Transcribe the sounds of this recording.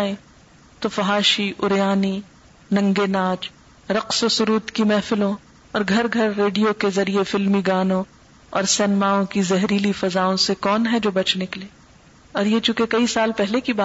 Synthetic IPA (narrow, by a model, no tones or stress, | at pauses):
ẽ | t̪ofɐɦaːʃiʔʊɾjaːni | nɐ̃ŋɡenaːd͡ʒ | ɾɐqsosʊɾuːt̪kimɛːfɪlõ | ɔːɾɡʱɐɾɡʱɐɾːeːɖijokezɐɾiefɪlmiɡaːnõ | ɔːɾsɛːnɪmaːõkizɛɦɾiːlifɐzaːõsekɔːnɦɛd͡ʒoːbɐt͡ʃnɪkleː | ɔːɾjet͡ʃũkekɐisaːlpɛɦlekibaː